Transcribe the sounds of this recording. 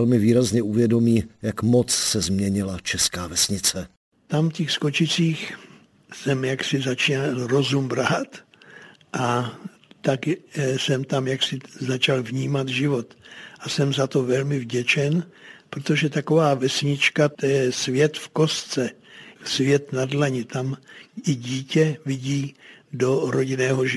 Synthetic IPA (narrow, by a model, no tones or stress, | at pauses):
lmɪviːɾazɲɛuvjɛdomiːjakmot͡ssɛzmɲɛɲɪlat͡ʃɛskaːvɛsɲɪt͡sɛ | t̪amfcɛxsko̞t͡ʃɪt͡siːx | sɛmjaksɪzat͡ʃiːnalɾo̞zumbɾat̪ | ʔa | t̪aksɛmt̪amjaksɪzat͡ʃalvɲiːmat̪ʒɪvo̞t̪ʔasɛmzat̪o̞vɛlmɪvɟɛt͡ʃɛnpɾot̪o̞ʒɛt̪ako̞vaːvɛsɲɪt͡ʃkat̪ɛjɛɛsvjɛt̪fko̞st͡sɛ | svjɛt̪nadlaɲɪt̪amɪɟiːcɛvɪɟiːdo̞ɾo̞ɟɪnɛːɦoʒ